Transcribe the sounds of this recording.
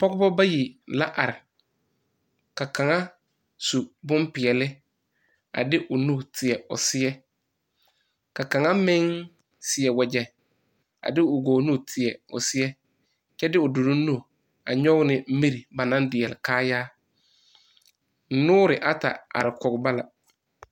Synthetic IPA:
pɔ˦ɡʊ˦bɔ˦ba˦ji˨la˦ʔa˨ɾɪ˨ | ka˨ka˨ŋa˦ | su˨bʊ˦mpɪ˨ɛ˨lɪ˦ | a̰˨dɪ˦ʔʊ˨nu˦˨tʰɪ˨ɛ˨ʊ̰˨sɪ˦ɛ˦ | ka˨ka˨ŋa˦mɪ̃˦ŋ | sɪ˨ɛ˨wɛ˨d͡ʒɛ˨ | a̰˨dɪ˦ʊ˨ɡoː˨˦nu˦˨tʰɪ˨ɛ˨ʊ̰˨sɪ˦ɛ˦ | t͡ʃɛ˦dɪ˦ʊ˨du˨nu˦nu˦˨ | a̰˨ɲɔ˦ɣnɪ˨˦mi˦ɾi˨ba˨nã˦ndɪ˨ɛ˨lɪ˨kaː˦jaː˦ | nʊː˦ɾɪ˨ʔa˨ta̰˨a̰˨ɾɪ˨kɔ˨ɡʊ˨ba˦la̰˨

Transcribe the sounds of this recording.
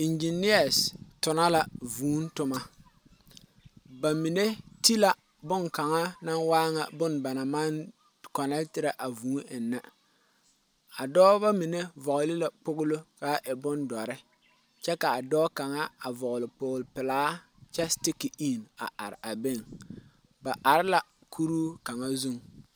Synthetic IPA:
ɪ˨nd͡ʒi˨ni˦a˨stʊ˨na˦la˨vuː˨˦n˦tʊ˦ma˦ | ba˨mi˨ne˦ti˦la˦ | bʊ˦ŋka˨ŋa˦na˦nwaː˦ŋa˨bʊ˦nba˨na˨ma˦n | kɔ˨nɛ˦ltɪ˦ɾa˦ʔa˨vuː˨˦nʔɪ˨nːa˦ | a˨dɔː˦ba˦mɪ˨ne˦vɔ˨ʔʊ˨lɪ˦la˨k͡pʊ˦ɣʊ˦lʊ˦ka˦ʔɛ˨bʊ˦ndɔ˨ɾɪ˦ | t͡ʃɛ˦ka˨a˨dɔː˦ka˨ŋa˦a˨vɔ˨ʔʊ˨lɪ˨pʊː˨lpɪ˨laː˦ | t͡ʃɛ˦stɪ˦ki˨i˦˨na̰˨ʔa̰˨ɾa˨be˦˨ŋ | ba˨ʔa˨ɾɪ˦la˨ | kʰu˦ɾuː˦ka˨ŋa˦zu˦ŋ

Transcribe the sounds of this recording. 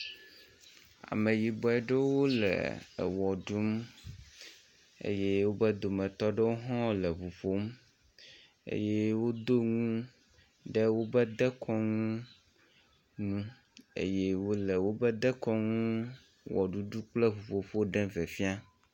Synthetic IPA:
a̰˨mẽ˨ji˨bɔ˨ɛ˨ɖe˦wo˦lḛ˨wɔ˨ɖu˦m | ḛ˦je˦wo˦bə˦d̪o˨mɛ̃˨t̪ɔ˦ɖe˦wo˦ɦɔ̃˦lə˨vu˨ɸo˦m | ḛ˦je˦wo˦d̪o˦ŋũ˦ | ɖe˦wo˦bɛ˦d̪ɛ˦kʰɔ˦ŋũ˦ | nũ˦ | ḛ˦je˦wo˦lɛ˨wo˦bɛ˦d̪ɛ˦kɔ˦ŋũ˦ | wɔ˨ɖu˦ɖu˦k͡ple˦vu˨ɸo˨ɸo˦ɖɛ̃˦ve˨fi˦a˦

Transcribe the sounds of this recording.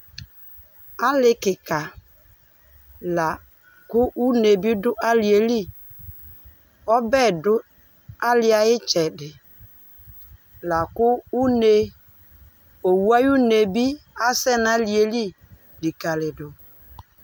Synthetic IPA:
a˦lɪ˦kɪ˨ka˨ | la˨ | kʊ˦ʔu˦ne˨bi˦dʊ˦ʔa˦li˨e˨li˦ | ɔ˦bɛ˦˨dʊ˦ | a˦lɪ˦a˨ɪ˦t͡ʃɛ˨dɪ˨ | la˨kʊ˦u˦ne˨˦ | o˨wu˦a˦ju˦ne˨bi˦a˦sɛ˦na˨li˨e˨li˦ | di˨ka˨lɪ˨dʊ˨

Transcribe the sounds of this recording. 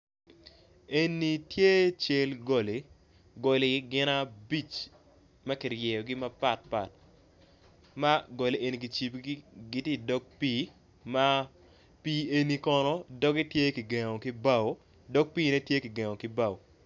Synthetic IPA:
e˦ni˨tje˦t͡ʃe˦lɡo˨le˨ | ɡo˨le˨ɡɪ˦na˦bi˦˨t͡ʃ | mɐ˦ki˨rjɛ˨jɔ˨ɡɪ˦ma˦pa˨t̚pa̰˨t̚ | ma˦ɡo˨le˨ʔe˨ni˨ɡi˨t͡ʃi˨pɡɡɪ˦te˦dɔ˦k̚piː˦ | ma˦ | piː˦e˨ni˨˦kɔ˨nɔ˦dɔ˦ɡe˦tje˦ki˨ɡe˨ŋɔ˨ki˦ba˦˨wo˨˦ | dɔ˦k̚piː˦ne˦tje˦ki˨ɡe˨ŋɔ˨kɪ˦ba˦˨wo˨

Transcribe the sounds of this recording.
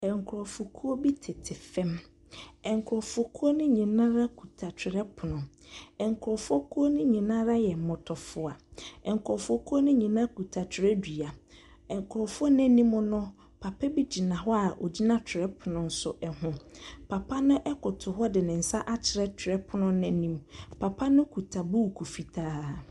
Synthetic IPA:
ɛ̃˨ŋ˨kʰʊ˨ɾɔ˨fʊ˨kʰu˦o˦bi˦tʰɪ˨tʰɪ˨fɛ̃˦m | ɛ̃˨ŋ˨kʰʊ˨ɾɔ˨fʊ˨kʰu˦o˦nʊ̃˦ɲĩ˨nã˦ɾa˦kʰu˨tʰa˨t͡ɕʰᶣɪ˨ɾɛ˦pʰʊ˨nʊ̃˨ɛ̃˨ŋ˨kʰʊ˨ɾɔ˨fʊ˦o˦kʰu˦o˦nʊ̃˦ɲĩ˨nã˦ɾa˦jɛ˨m̩˨mʊ̃˨tʰɔ˨fʊ˨a˨ɛ̃˨ŋ˨kʰʊ˨ɾɔ˨fʊ˦o˦kʰu˦o˦nʊ̃˦ɲĩ˨nã˦ku˨tʰa˨t͡ɕʰɪ˨ɾɛ˦di˨a˨ | ɛ̃˨ŋ˨kʰʊ˨ɾɔ˨fʊ˦ɔ˦nɛ̃˦nĩ˦mʊ̃˦nʊ̃˦ | pʰa˨pʰɛ˦bi˦d͡ʑi˨nã˨ɦɔ˦a˨ʔo˨d͡ʑi˦nã˦t͡ɕʰᶣɪ˨ɾɛ˦pʰʊ˨nʊ̃˨n̩˦sʊ˨ʔɛ˨ɦʊ̃˨pʰa˨pʰa˦nʊ̃˦ʔɛ˦kʰʊ˨tʰʊ˨ɦɔ˦dɪ˨nɪ̃˨n̩˨sa˦ʔa˦t͡ɕʰɪ˨ɾɛ˦t͡ɕʰᶣɪ˨ɾɛ˦pʰʊ˨nʊ̃˦nɛ̃˦nĩ˦mpʰa˨pʰa˦nʊ̃˦kʰu˨tʰa˨buː˦˨kʰu˨fi˨tʰaː˦

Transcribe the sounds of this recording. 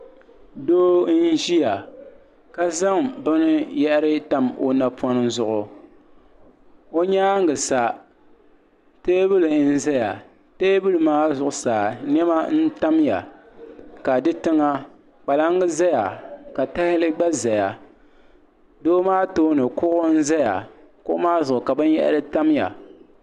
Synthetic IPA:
doː˦n˦ʒi˦ja˨ | ka˦za˦ŋbʊ˦nɨ˦jɛ˦ʔɾɨ˦ta˦mo̰˨na˨pʰɔ˦nɨ˦zʊ˦ʔʊ˨ | o˦ɲaː˦ŋ˦ɡɨ˨sa˨ | teː˦bɨ˦lɨ˨n̩˦za˦ja˨ | teː˦bɨ˦lɨ˨maː˦zʊ˦˨ʔʊ˦saː˨nɛ˦ma˦n̩˦ta˦mja̰˨ | ka˨dɨ˦tɨ˦ŋa˦ | k͡pa˨la˦ŋ˦ɡɨ˦za˦ja˨ka˨ta˦hɪ˦lɨ˦ɡ͡ba˦za˨ja˨ | doː˦maː˦toː˦nɨ˨kʊ˦ʔʊ˦n̩˦za˦ja˨ | kʊ˦ʔʊ̰˦maː˦zʊ˨ʔʊ˨ka˨bɨ˦n˦jɛ̰˦ʔɾɨ˦ta˦mja̰˨

